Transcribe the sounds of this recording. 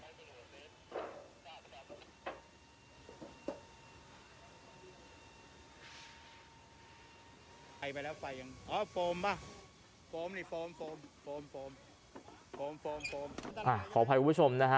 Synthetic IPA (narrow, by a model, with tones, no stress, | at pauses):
pa˧jpa˧jlɛː˦˥wfa˧jːa˧ŋʔɔː˨˦˥foː˧mba˧˩ | foː˧mniː˧˩foː˧mfoː˧mfoː˧mfoː˧m | foː˧mfoː˧mfoː˧mʔaː˨˩kʰɔː˩˦pʰa˧kːt͡ɕʰo˧mna˦˥kʰa˦˥